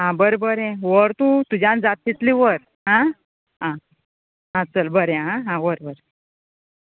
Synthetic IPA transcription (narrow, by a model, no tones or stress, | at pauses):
ɦãbəɾbəɾɛ̃ʋəɾt̪ũt̪ud͡ʑãnd͡zat̪̚ːit̪liʋəɾ | ɦã | ɦã | ɦat͡səlbəɾɛɦãɦãʋəɾbəɾ